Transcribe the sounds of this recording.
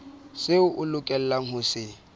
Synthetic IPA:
sɪʊʔʊlʊkʼɛl̩laŋ̩hʊsɪ

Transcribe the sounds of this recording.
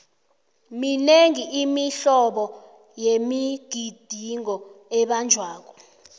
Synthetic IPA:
mineŋiimiɬɔɓɔ | jemiɡ̥ʱid̥ʱiŋɔɛɓand͡ʒʱwaːk̬ɔ̥

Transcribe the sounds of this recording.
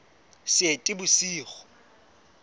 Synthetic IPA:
sɪetʼɪbʊsiːχɔ̥

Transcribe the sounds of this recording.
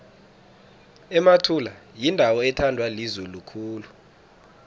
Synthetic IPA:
ɛmatʰulajindʱawɔɛtʰandʱwalizulukʰuːlu

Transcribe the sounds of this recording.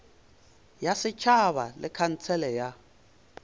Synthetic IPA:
jasɪt͡ʃʰaβalɪkʰan̩t͡sʰɛlɛja

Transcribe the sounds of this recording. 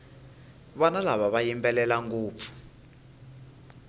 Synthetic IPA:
βɔnalaβaβajimpʼɛlɛlaŋɡuːp̪fʰu̥

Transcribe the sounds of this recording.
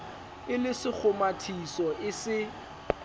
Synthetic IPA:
ɪlɪsɪk͡xʰʊmatʰisɔʔɪsɪ

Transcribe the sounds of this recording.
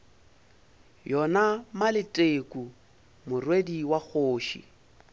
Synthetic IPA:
jɔnamalɪtʼekʼu | mʊrwediwak͡xʰoːʃḭ

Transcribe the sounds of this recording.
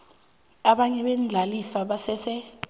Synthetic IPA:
aɓaɲɛɓɛnd͡ɮʱalifaɓasɛsɛ

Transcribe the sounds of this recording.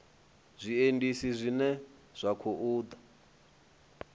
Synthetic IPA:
zʷiendisizʷinɛz̥ʷakʰoʔuːd̪a

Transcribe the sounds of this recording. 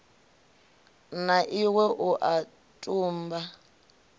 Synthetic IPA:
naʔiwɛʔuʔa | tʼuːmba

